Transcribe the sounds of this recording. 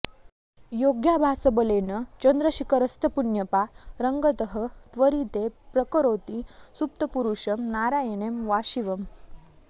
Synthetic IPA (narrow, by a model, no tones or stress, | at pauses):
joɡjabʱasəbəlenət͡ɕənd̪ɾəɕikəɾəst̪ʰəpunjəpaɾəŋɡət̪əɦət̪ʋəɾit̪epɾəkəɾot̪isup̚t̪əpuɾuɕəmnaɾajenemʋaɕiʋəm